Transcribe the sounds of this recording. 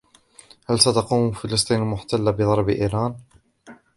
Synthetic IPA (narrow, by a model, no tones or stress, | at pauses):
halsat̪ɑquːmfɪlɑs̬ˤt̪ˤiːnmʊħt̪alːabɪðˤɑɾˤbʔiːɾaːn